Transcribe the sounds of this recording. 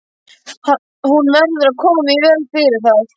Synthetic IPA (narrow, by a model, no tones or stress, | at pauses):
ha | hunmɛɾðʏɾaðkʰɔːmɪivɛːlfɪɾɪɾ̥θað